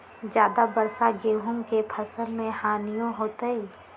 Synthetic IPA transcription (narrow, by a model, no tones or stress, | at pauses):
d͡ʒjaːd̪abɐɾsaɡeːɦʊ̃ŋkepʰɐsəlmẽhaːnijõɦoːt̪əiː